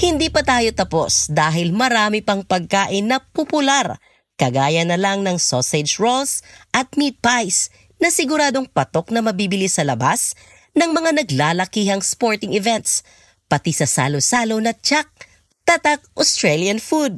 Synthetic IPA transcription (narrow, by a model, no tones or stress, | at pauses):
hɪnd̪ipɐt̪aːjo̞t̪ɐpo̞̰sd̪aːɦɪlmɐɾaːmɪpɐŋpɐɡ̚kaːʔɪnɐpopʊlaɾ | kɐɡaːjɐnɐlɐŋnɐŋsosɛd͡ʒɹolsʔɐt̪̚mid̪̚pajs | nɐsɪɡʊɾaːd̪o̞ŋpɐt̪o̞k̚nɐmɐbiːbɪlisɐlɐbas | nɐŋmɐŋanɐɡlaːlɐkiːɦɐŋspo̞ɹt̪ɪŋɛvɛnt̪s | pɐt̪isɐsa̰ːlosaːlonɐt͡ʃak̚ | t̪ɐt̪ak̚ʔost̪ɹɛljɐnfud̪̚